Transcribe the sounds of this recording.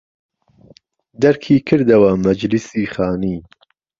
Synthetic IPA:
d̪ɐɾkʰiːkʰɨɾd̪ɐwɐmɐd͡ʒlisiːχaːniː

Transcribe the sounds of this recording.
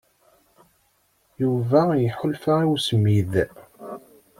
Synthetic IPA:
juvæjħʊlfaiwsmið

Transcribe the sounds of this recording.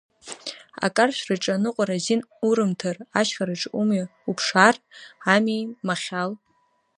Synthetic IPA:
a̰kʼarʃʷᶣrɨʈ͡ʂʼanɨqʷʼaɾazinuɾɨmtʰaraʃχaɾɨʈ͡ʂʼumɥaupʰʂaramijmaχʲal

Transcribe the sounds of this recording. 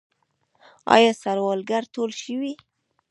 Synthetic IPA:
ɑ̰jɑsaɾwɑlɡaɾt̪olʃəwi

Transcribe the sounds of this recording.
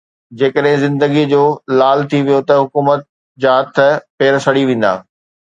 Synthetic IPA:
d͡ʑeːkəɗɦɪ̃zɪ̃nd̪əɡid͡ʑoːlaːlt̪ʰiʋijot̪ɐɦʊkuːmət̪̚ | d͡ʑaːɦɐt̪ʰə̆peːɾsɐɽiʋẽːn̆d̪a̰ː

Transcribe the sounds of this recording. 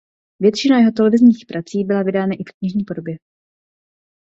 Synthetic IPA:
vjɛt̪t͡ʃɪnajɛɦo̞t̪ɛlɛvɪzɲiːxpɾʔat͡siːbɪlavɪdaːnaʔɪkkɲɪʒɲiːpodo̞bjɛ

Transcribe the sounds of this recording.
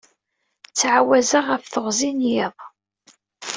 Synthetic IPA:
t͡sːʕawæzaʁəfθəʁzinjɪðˤ

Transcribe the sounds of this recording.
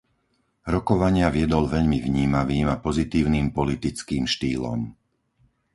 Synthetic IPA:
ɾɔkɔʋaɲɪaʋɪɛd̪ɔlʋɛʎmivɲiːmaʋiːmapɔzit̪iːʊniːmpɔlit̪it͡skiːmʃt̪iːlɔ̰m

